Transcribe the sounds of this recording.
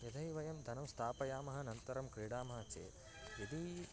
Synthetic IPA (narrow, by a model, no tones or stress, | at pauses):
jɐd̪ʱɐiʋɐjɐmd̪ʱɐnɐmst̪ʰaːpɐjaːmɐɦɐ̆nɐnt̪ɐɾɐmkɾiːɽaːmɐɦɐt͡ʃḛː | jɐd̪i